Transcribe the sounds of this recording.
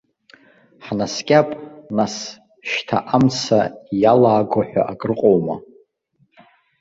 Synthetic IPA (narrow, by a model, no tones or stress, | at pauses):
ħnaskʲʼapʼnas | ʃtʰa̰ʔamt͡sʰajalaːɡʷaħʷᶣa̰ʔakʼrɨqʼowma̰